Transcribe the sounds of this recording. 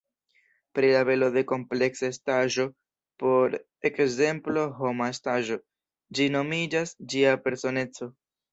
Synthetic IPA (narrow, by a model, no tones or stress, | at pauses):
pɾilabe̞lo̞de̞ko̞mple̞ksastaʒo̞ | po̞ɾ | e̞kze̞mplo̞ɦo̞mastaʒo̞ | d͡ʒino̞mid͡ʒasd͡ʒiape̞ɾso̞ne̞t͡so̞